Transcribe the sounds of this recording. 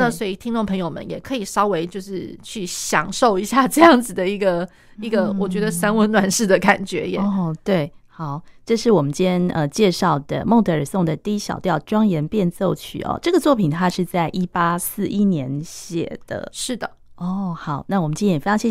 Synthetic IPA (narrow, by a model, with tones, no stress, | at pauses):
na˥˧swɔ˧˥i˨˩t̪ʰi˥ŋʈ͡ʂʊ˥˩ŋpʰɤ˧˥ŋjo˨˩ʊmə̰˦njɛ˨˩kʰɤ˧˥i˨˩ʂɑ˥ʊwe˧˥ɪt͡ɕjo˥˧ʊʂɻ̩˥˧t͡ɕʰy˥˩ɕjɑ˨˩ŋʂo˥˩ʊi˧˥ɕja˥˧ʈ͡ʂɤ˥˧jɑ˥˩ŋd͡zɹ̩˨˩d̪ə˩i˧˥ɡə˧ | i˧˥ɡə˧wɔ˨˩t͡ɕɥɛ˧˥d̪ə˧sa˥nwə˥nnwa˨˩nʂɻ̩˥˩d̪ə˩ka˨˩nt͡ɕɥɛ˧˥jɛ˨˩˦ɔ˥˩t̪we˥˩ɪxɑ˨˩˦ʊʈ͡ʂɤ˥˧ʂɻ̩˥˩wɔ˨˩mə˦nt͡ɕjɛ˥nə˧t͡ɕjɛ˥˧ʂɑ˥˩ʊd̪ə̰˩mo˥˩ŋt̪ə˧˥ə˞˨˩sʊ˥˩ŋd̪ə˩t̪i˥˧i˦˥ɕjɑ̰˨˩ʊt̪jɑ˥˩ʊʈ͡ʂwɑ˥ŋjɛ˧˥npjɛ˥˧nt͡so˥˧ʊt͡ɕʰy̰˥˩ɔ̰˨˩ʈ͡ʂɤ˥˩ɡə˩t͡swɔ˥˩pʰi˨˩nt̪ʰa˥ʂɻ̩˥˧t͡sa˥˩ɪʔi˥pa˥sɹ̩˥˩ʔi˥njɛ˧˥nɕjɛ̰˨˩d̪̥ə̰˩ʂɻ̩˥˩d̪ə˩ɔ˥˩xɑ˨˩˦ʊna˥˩wɔ˨˩mə˦nt͡ɕjɛ˥njɛ˨˩e˥ɑ˧ŋɕjɛ˥